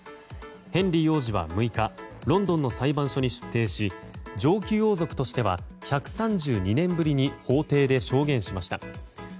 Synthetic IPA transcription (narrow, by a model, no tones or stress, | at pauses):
hẽ̞nɾʲijo̞ːʑiβa̰mɯ̟ikaɾõ̞nd̪õ̞nːo̞saibãɰ̃ɕo̞ɲ̟iɕɨ̥t̪ːe̞ːɕid͡ʑo̞ːkʲɨjo̞ːzo̞kɯ̟̥t̪o̞ɕi̥t̪e̞βa̰çakɯ̟̥sãɲd͡ʑɨːɲ̟inẽ̞mbɯ̟ɾʲiɲ̟iho̞ːt̪e̞ːd̪e̞ɕo̞ːɡẽ̞ɰ̃ɕimaɕi̥t̪a̰